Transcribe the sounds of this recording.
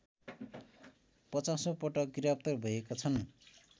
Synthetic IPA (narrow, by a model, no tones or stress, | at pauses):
pʌt͡sasopʌʈʌk̚ɡiɾap̚t̪ʌrbʱʌjekat͡sʰʌn